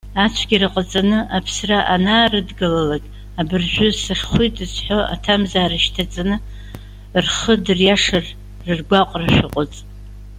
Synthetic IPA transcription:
at͡ʃʷʰɡʲirɨqʼat͡sʼanɨʔapʰsraʔanaːrɨdɡalalakʲʼ | abɨrʒᶣʷʊsɨχʲχʷitʼɨzħʷo̞a̰tʰamzaːɾaʃtʰat͡sʼanɨ | rχədɨrjaʂɨr | rɨrɡʷaqʷʼraʃʷᶣɨqʼʊt͡sʼ

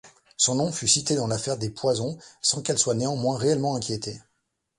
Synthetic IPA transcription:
sɔ̃nɔ̃fysit̪ed̪ɑ̃lafɛʁd̪epwazɔ̃sɑ̃kɛlswaneɑ̃mwɛ̃ʁeɛlmɑ̃ɛ̃kʲjet̪e

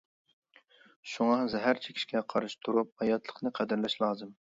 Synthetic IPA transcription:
ʃuŋɑzɛɦæɾt͡ʃʰe̥kʲʰi̥ʃkʲɛqʰɑɾɨʃt̪ʰuɾup̚hɑjɑt̪ʰlˠəqnɨqʰæd̪ɪɾlɛʃlˠɑːzɨm

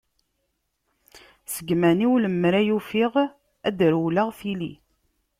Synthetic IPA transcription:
səɡmæniwləmːɾæjufiʁ | æd̪əɾwlaʁθilḭ

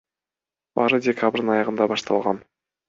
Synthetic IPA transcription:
bɑ̰ɾɯdʲekʰabɾd̪nɑjɑʁɯnd̪ɑbɑʃt̪ʰɑlˠʁɑn

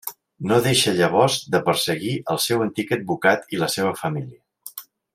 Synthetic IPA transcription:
noðeʃəʎəβ̞ɔzd̪əpəɾsəɣiʔəlˠsɛwənt̪ikəd̪̚bukat̪iləseβəfəmiliə

